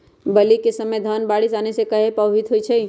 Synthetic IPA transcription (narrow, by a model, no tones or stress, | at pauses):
bəlikesəməjd̪ʱaːnbaːɽisaːnesekəɦepəːɦit̪ɦoit͡ʃʰei